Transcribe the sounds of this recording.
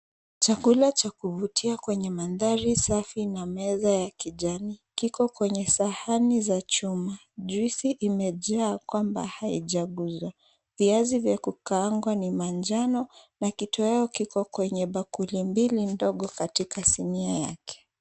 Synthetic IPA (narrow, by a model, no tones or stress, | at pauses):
t͡ʃakulat͡ʃakuvutʰiakwɛɲɛmanðaɾisafinamɛzajakiʄanikikɔkwɛɲɛsahanizat͡ʃuma | ʄuisiʔimɛʄaːkwamba̰haiʄaɠuzwa | viazivjakukaaŋɡwanimand͡ʒanɔnakitʰɔjaɔkikɔkwɛɲɛɓakulimbilindɔɠɔkatikasiniaja̰kʰɛ̥